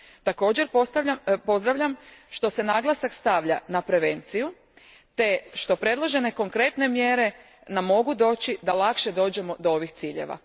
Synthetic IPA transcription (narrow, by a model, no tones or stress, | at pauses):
t̪ako̞ːd͡ʑe̞ɾposaapo̞zd̪ɾaʋʎamʃt̪o̞se̞naːɡlˠasakst̪aʋʎa̰napɾe̞ʋe̞nt̪siju | t̪e̞ʃt̪o̞pɾe̞d̪lˠo̞ʒe̞ne̞ko̞ŋkɾe̞t̪ne̞mjeɾe̞ | namːo̞ɡud̪o̞ːt͡ɕid̪alˠakʃe̞d̪o̞ːd͡ʑe̞mo̞d̪ooʋixt̪siːʎḛʋa̰